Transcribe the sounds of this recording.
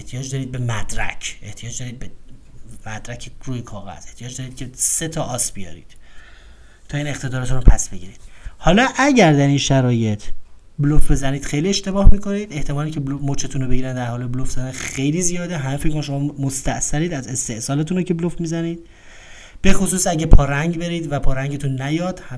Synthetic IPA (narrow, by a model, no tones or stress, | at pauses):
eht̪ʰijɒːd͡ʒd̪ɒɾiːd̪̚be̞mæd̪̥ɾæ̰cʰeht̪ʰijɒːd͡ʒd̪ɒːɾiːd̪̚be | mæd̪ɾæcʰeɾuːjekʰɒːɣæ̰z̥eht̪ʰijɒːd͡ʒd̪ɒːɾiːd̪̥̚kʰʲese̞t̪ʰɒːʔɒːsb̥ijɒ̰ːɾḭːd̪̥ | t̪ʰɒːiːne̞qt̪ʰed̪ɒːɾɒːt̪ʰunopʰæsb̥e̞ɟiɾiːd̪̥hɒːlɒːʔæɟæɾd̪æɾinʃæɾɒːje̞t̪ʰ | blofbe̞zæniːd̪̥xe̞jlie̞ʃt̪e̞bɒːhmikʰo̞niːd̪e̞ht̪ʰe̞mɒːliːcʰeblomot͡ʃʰet̪ʰuːnobe̞ɟiːɾænd̪æɾhɒːleblofz̥æd̪ænxejliːzijɒːd̪eɦæmefemkonæmʃo̞mɒmost̪æʔsæɾiːd̪æze̞st̪e̞ʔsɒːle̞t̪ʰunocʰe̞blofmizæniːd̪̥̚ | b̥e̞xosuːsæɟæpʰɒːɾæŋɟbeɾiːd̪væpʰɒːɾæŋɟet̪ʰuːnːæjɒːd̪̥hæ